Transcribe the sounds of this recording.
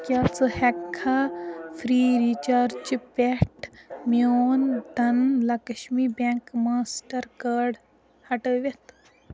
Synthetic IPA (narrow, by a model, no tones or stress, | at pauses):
kʲɐt͡sɨhɐkʰːafʰɾiːɾit͡ʃaɾt͡ʃipeʈʰmjoːnd̪ɐnlɐkɐʃmibeŋkmaːsʈɐɾkaːɖ | hɐʈəʋet̪